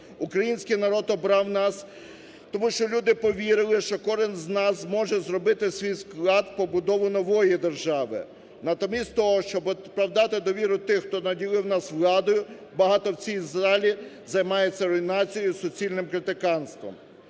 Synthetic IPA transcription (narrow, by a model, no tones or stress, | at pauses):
ukɾɐjinʲsʲkijnɐɾɔd̪ɔbɾɑwnɑs | t̪ɔmuʃt͡ʃɔlʲud̪ɪpɔʋʲiɾɪlˠɪʃt͡ʃɔkɔʒɪnznɑzmɔʒɛzrɔbɪt̪ɪsʲʋʲijsklˠɑd̪pɔbʊd̪ɔʋʊnɔʋɔjid̪erʒɑʋɪ̰ | nɐt̪ɔmʲisʲt̪ʲt̪ɔɦɔʃt͡ʃɔbpɾɐwd̪ɑt̪ɪd̪ɔʋʲiɾʊt̪ɪxt̪ɔnɐdʲilˠɪwnɑsʋlˠɑd̪ɔjʊ | bɐɦɑt̪ɔwt͡sʲijzɑlʲi | zɐjmɑjet͡sʲːɐɾɔinɑt͡sʲijʊsɔt͡sʲilʲnɪmkɾɪt̪ɪkɑnst̪ʋɔ̰m